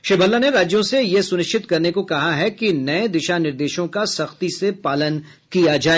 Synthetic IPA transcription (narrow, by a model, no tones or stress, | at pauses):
ʃɪbʱəlːaneɾaːd͡ʒjõsejesʊnɪʃt͡ʃɪt̪kɐɾnekokɐɦaɦɛkinɐẽd̪ɪʃanɪɾd̪eːʃõkasɐxt̪isepaːlən | kijad͡ʒaːeː